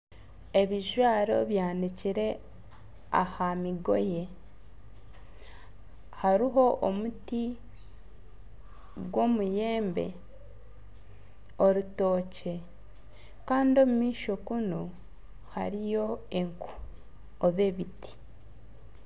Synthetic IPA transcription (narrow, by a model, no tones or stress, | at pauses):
e̞βiʒwaːɾo̞̰βjaːniciɾe̞ | a̰hamiɡo̞̰je̞ | haɾiɦo̞ʔomuti | ɡwo̞ːmuje̞ːmbe̞̰ | o̞ɾuto̞ːce̞ | kaːndio̞ːmumiːʃo̞kuno | ha̰ɾijo̞eŋku̥ | oβeβiti̥